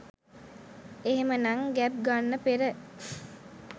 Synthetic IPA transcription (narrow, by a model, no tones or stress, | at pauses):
eɦemənaŋɡæp̚ɡanːəpeɾə